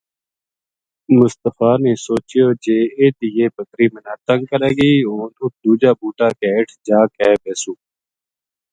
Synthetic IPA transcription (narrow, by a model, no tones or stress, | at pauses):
mʊst̪əfaːnẽːsoːt͡ʃɪjoːd͡ʒeːeːt̪ijeːbəkɾiːmenaːt̪əŋɡ̚kəɾeːɡəiːoːnud̪uːd͡ʒaːbuːʈaːkeːɪʈʰd͡ʒaːkɛːbeːsuː